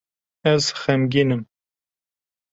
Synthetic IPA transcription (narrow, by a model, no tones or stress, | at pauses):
ɛzxɛmɡinɨm